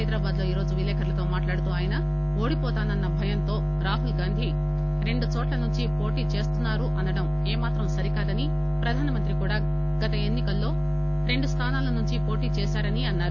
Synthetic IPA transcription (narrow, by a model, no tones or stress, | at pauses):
ɐjd̪ɾaːbaːd̪lo̞ːiːɾo̞ːd͡ʒuʋilɛːkʰɐɾlɐt̪o̞ːmaːʈlaːɽut̪uːaːjɐnɐ | oːɽipɔːt̪aːnɐnːɐbʱɐjɐnt̪o̞ː | ɾaːɦulɡaːnd̪ʱi | ɾe̞ɳɖut͡ʃɔːʈlɐnuɲt͡ʃipo̞ːʈiːt͡ʃe̞ːst̪unːaːɾuʔɐnɐɽɐm | eːmaːt̪ɾɐmsɐɾikaːd̪ɐni | pɾɐd̪ʱaːnɐmɐnt̪ɾikuːɽaː | ɡɐt̪ɐe̞nːikɐlːo̞ː | ɾe̞ɳɖust̪ʰaːnaːlɐnuɲt͡ʃipo̞ːʈiːt͡ʃɛːsaːɾɐniɐnːaːɾu